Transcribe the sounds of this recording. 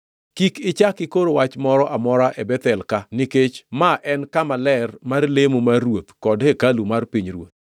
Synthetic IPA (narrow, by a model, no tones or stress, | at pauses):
kikɪt͡ʃakɪkoɾowat͡ʃmɔɾɔʔamɔɾaʔebɛt̪ɛlkanɪket͡ʃmaʔɛnkamalɛrmarlemomarwot̪kɔdhekalumarpiɲrwo̰t̪̚